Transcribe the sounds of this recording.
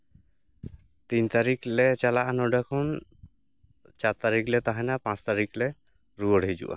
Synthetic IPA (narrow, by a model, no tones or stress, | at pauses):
t̪int̪aɾiklɛt͡ʃalaʔanɔɖakʰɔn | t͡ʃaɾt̪aɾiklɛt̪aɦanapãt͡ʃt̪aɾiklɛ | ɾuɔɽɦid͡ʑṵʔa̰